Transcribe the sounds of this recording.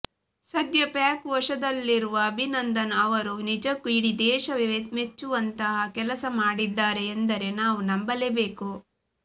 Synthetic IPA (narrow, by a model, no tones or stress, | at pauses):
sɐd̪jɐpjaːkʋɐʂɐd̪ɐlːiɾuʋɐːbʱinɐnd̪ɐnɐːʋɐɾunid͡ʒɐkːuiɽid̪ɛːʃɐʋeʋet̪met͡ʃːuʋɐnt̪ɐɦɐkɛlɐsɐmaːɽid̪ːaːɾe̞ːnd̪ɐɾe̞naːʋunɐmbɐlebeːku